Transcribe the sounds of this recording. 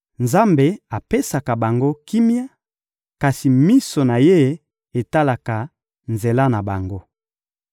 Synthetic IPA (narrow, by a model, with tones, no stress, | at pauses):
nza˦mbe˨a˨pe˦sa˨ka˨ba˨ŋɡo˦ki˦mja˦ | ka˨si˨mi˦so˨na˨je˦ | e˨ta˦la˨ka˨ | nze˨la˦na˨ba˨ŋɡo˦